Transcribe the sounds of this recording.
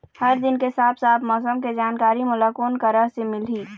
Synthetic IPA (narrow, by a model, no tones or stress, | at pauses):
hɐɾd̪ɪnkesaːt̪ʰsaːt̪ʰmɔːsəmked͡ʒaːnkaːɾimʊlakoːnkəɾəɦsemɪlɦiː